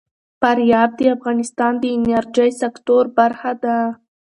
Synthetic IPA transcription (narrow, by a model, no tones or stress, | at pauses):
faɾjɑb̚d̪əafɣɑnɪst̪ɑnd̪əɪnaɾd͡ʒəjsakt̪oɾbaɾxad̪a